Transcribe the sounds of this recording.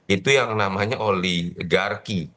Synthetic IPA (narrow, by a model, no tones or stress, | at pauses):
it̪ujaŋnamaɲaʔolɛhɡarki